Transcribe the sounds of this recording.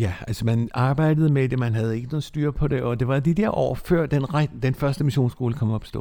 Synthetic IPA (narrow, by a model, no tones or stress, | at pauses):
jæælsɒmænɑ̈ːb̥ɑ̈ɪ̰d̥əðˠəmed̥e̝mænɦæð̞̩ˠe̝ɡ̥əno̝ːsd̥yːɐpʰɒ̽ɾe̝ʔɒ̽d̥e̝ʋɑ̈d̥id̥ɛɐ̰ʔɒ̰ːfɶɐ̰d̥enʁd̥enfɶɐsd̥əmiɕo̝̰ːnsɡ̥o̝ːləkʰɒ̽mɒb̥ɒsd̥ɔ̰